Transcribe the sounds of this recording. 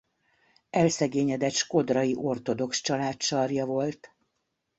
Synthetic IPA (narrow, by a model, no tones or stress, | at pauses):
ɛlsɛɡeːɲɛd̪ɛt̪ʃko̞d̪rɒjiʔo̞rt̪o̞d̪o̞kʃt͡ʃɒlaːtʃɒrjɒvo̞lt̪